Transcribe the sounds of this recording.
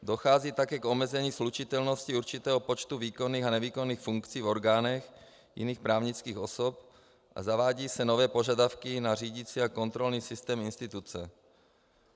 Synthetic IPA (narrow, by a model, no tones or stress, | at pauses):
do̞xaːziːt̪akɛːko̞mɛzɛɲiːslut͡ʃɪt̪ɛlnosciuɾt͡ʃɪt̪ɛːɦopot͡ʃt̪uviːkoniːxanɛviːkonːiːxfuŋkt͡siːvo̞ɾɡaːnɛx | jɪ̰niːxpɾaːvɲɪt͡skiːxo̞sop̚ | ʔa̰zavaːɟiːsɛnovɛːpo̞ʒadafkɪnar̝iːɟit͡siako̞nt̪ɾo̞lniːsɪst̪ɛːmɪnst̪ɪt̪ut͡sɛ